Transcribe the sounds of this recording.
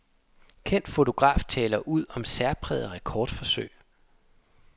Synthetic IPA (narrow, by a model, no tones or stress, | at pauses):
kʰen̰d̥fo̝t͡sʰo̝ɡ̥ʁɑ̰̈ːft͡sʰɛ̰ːlɐʔuð̰ˠɒ̽msæɐpʰʁɛːðˠʁɛkʰɒːd̥fɒ̽sø̰ɪ̰